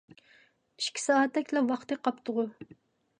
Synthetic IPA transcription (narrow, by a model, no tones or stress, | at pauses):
iʃkʲʰi̥sɑːɛt̪ːɛkʲlɛwɑχt̪ɨqɑpt̪ʰʊʁʊ